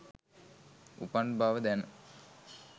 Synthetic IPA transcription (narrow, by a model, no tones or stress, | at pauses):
ṵpaɳɖbaːʋəd̪ænə